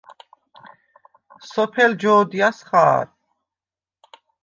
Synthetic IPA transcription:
sɔpʰɛld͡ʒɔːd̪iasχaːɾ

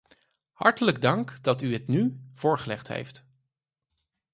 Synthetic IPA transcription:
hɑ̰ɹtələɡdɑŋkdɑtyɦətnyv̥ʊːɹχəlɛχtɦḛjft

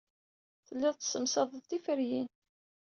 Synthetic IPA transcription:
θəlːiðˤt̪səmsɑðˤəðt̪ifəɾjin

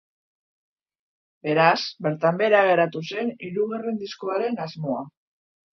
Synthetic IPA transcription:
be̞ɾasbe̞ɾt̪ambe̞ɾaɣ̞e̞ɾat̪use̞niɾuɣarend̪isko̞aɾe̞nazmo̞a

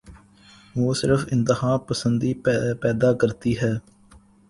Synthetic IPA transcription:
ʋoːsɪɾəfɪnt̪ɪhaːpəsənd̪iːpɛːd̪aːkəɾt̪iːɦɛː

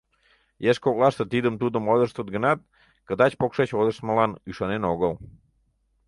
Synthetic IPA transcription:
jeʃkoɣlɑʃt̪ət̪id̪əmt̪ud̪əmod̪əʃt̪ot̪ɡə̆nɑt̪̚ | kəd̪ɑt͡ɕpokʃet͡ɕod̪əʃt̪məlɑnyʃɑnenoɣəl

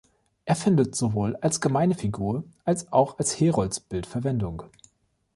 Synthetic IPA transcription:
ʔeːɐfɪndətz̥ovoːlalsɡ̥əmaɪnəfiɡuːɐʔalsaʊxalsheːʁɔlsb̥ɪltfɛɐvɛndʊŋ

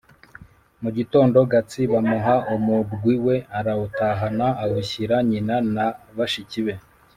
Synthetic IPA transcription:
muɟito̞ːndo̞ɡat͡siβamuɦaʔumubɡwiwe̞aɾautaːɦanaːwuçiɾaɲinanaβaʃiciβe̞

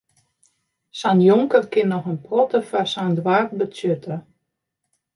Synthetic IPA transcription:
sanjɔŋkərkɪnːɔxənprɔtəfarsandwaːrt̚bətjøtə

